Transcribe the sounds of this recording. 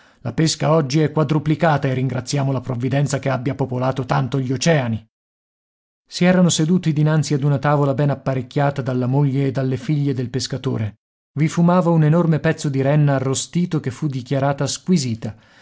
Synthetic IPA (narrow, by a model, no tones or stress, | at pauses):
lapeskaɔd͡ʒːiɛkwad̪ɾuplikaːt̪aerːiŋɡɾat̪sːjaːmolapɾovːid̪ɛnt̪sakeabːjapopolaːt̪ot̪ant̪oʎːiot͡ʃɛːani | siɛːɾanosed̪uːt̪id̪inant̪siad̪unat̪aːvolabɛnapːaɾekʲːjaːt̪ad̪alːamoʎːeːd̪ːalːefiʎːed̪elpeskat̪o̰ːɾe | vifumaːvaunenormepɛt̪sːod̪iɾɛnːaːrːost̪iːt̪okefːud̪ːikjaɾaːt̪askwiziːt̪a